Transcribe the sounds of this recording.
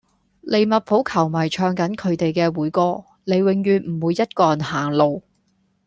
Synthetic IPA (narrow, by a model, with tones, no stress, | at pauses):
le˨˧jmɐ˨t̚pʰo˨˥wkʰɐ˨˩wmɐ˨˩jt͡ʃʰœː˧ŋkɐ˨˥nkʰɵ˨˧ɥt̪e˨jkɛː˧wuː˨˥jkɔː˧˥ | le˨˧jwɪ˨ŋjyː˨nm̩˨˩wuː˨˧jɐ˥t̚kɔː˧˨nhaː˨˩ŋlo˨w